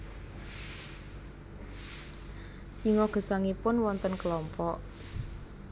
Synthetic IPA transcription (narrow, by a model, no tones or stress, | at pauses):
siŋɔɡ̥ə̤saŋipʊnwɔnt̪ənkəlɔmpɔʔ